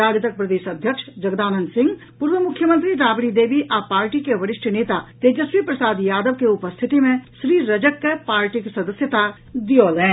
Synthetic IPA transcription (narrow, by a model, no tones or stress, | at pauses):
aːd͡ʒət̪ək̚pɾəd̪eːʃəd̪ʱjəkʃd͡ʒɐɡd̪aːnənsɪ̃ŋɡ | puɾʋəmʊkʰjəmə̃nt̪ɾiɾaːbɽid̪eːbiʔapaːɾʈikeʋəɾɪʃʈʰəneːt̪at̪eːd͡ʒəswipɾəsaːd̪jaːd̪əʋkeʊpəst̪ʰɪt̪imẽʃɾiːɾɐd͡ʒəkːepaːɾʈiksɐd̪əsjət̪a | d̪ijoːlɛ̃ː